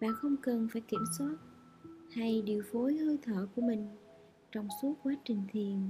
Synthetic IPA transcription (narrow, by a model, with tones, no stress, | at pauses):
ɓa̰ː˧˨xə˧wŋ͡mkə˨˩nfaː˧˩jki˧˩əmswaː˦˥t̚ | ha˧jɗi˨˩əwfo˨˦jhəː˧jt̪ʰəː˧˩ku˧˩əmï˨˩ŋ̟ | t͡ɕɔ˧wŋ͡msu˦˥ət̚kwaː˨˦t͡ɕï˨˩ŋ̟t̪ʰi˨˩ən